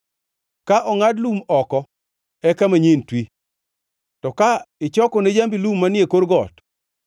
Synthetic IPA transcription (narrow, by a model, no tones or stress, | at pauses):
kaʔɔŋadlumɔkɔ | ɛkamaɲentwi | tɔkaɪt͡ʃɔkɔned͡ʒambilumːanɪjekoɾɡɔt